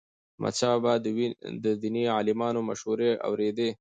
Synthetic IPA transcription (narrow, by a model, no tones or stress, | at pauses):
mʔa̰t͡ʃɑbad̪d̪əd̪iniɑlɪmɑnomaʃhuɾea̰wɾed̪e